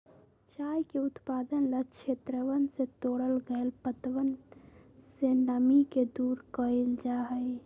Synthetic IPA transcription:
t͡ʃajkeʊt̪paːd̪ənlət͡ʃʰet̪ɾəʋənset̪oɽəlɡəelpət̪ʋən | senəmiked̪uːɾkəeld͡ʒaɦəj

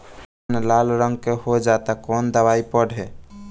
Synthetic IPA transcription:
nlalɾəŋɡkeɦod͡ʒat̪akond̪əβaipəɽʱe

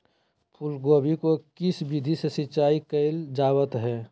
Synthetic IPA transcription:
pʰʊlɡoːbikokɪsbid̪ʱisesɪtːt͡ʃaːikəɪld͡ʒaːwət̪ɦɛː

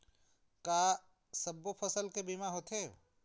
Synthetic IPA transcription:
kaː | sɐbopʰəsəlkebiːmaɦoːt̪ʰe

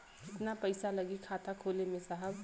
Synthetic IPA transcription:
ɪt̪napɐɪsalɐɡikʰaːt̪akʰoːlemẽsaɦəb

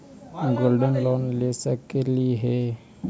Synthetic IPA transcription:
ɡoːlɖənlɔːnlesəkːeliɦe

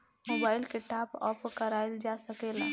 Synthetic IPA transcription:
moːbaːɪlkeʈaːpɔ̰ːpkəɾaːeld͡ʒasəkela

